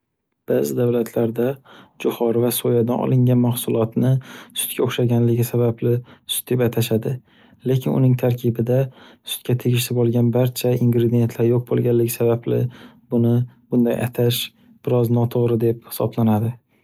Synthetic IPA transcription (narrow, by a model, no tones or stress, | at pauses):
b̥aːzɪd̪avlat̪ʰlaɾd̪ad͡ʒʊhɒɾvasojad̪anɒ̰lˠɪŋɡʲanmahsʊlˠɒt̪nɪsʊ̥t̪kʲʰaoχʃaɡʲanlɪɡʲɪsabablɪsʊt̪̚d̪e̞pat̪ʰaʃad̪ɪ | le̞kʲʰɪnʊ̰nɪŋt̪ʰaɾkʲʰɪbɪd̪asʊ̥t̪kʲat̪ʰeɡʲɪʃlɪbolˠɡʲanbaɾt͡ʃʰaiŋɡɾed̪ije̞nt̪ʰlaɾjoq̚bolˠɡʲanlːɪɡʲɪsabablɪ̰ | bʊnɪbʊnd̪ajʔa̰t̪ʰaʃ | b̥ɪɾɒznɒt̪ʰoʁɾɪd̪e̞p̚hɪ̥sɒ̰blanad̪ɪ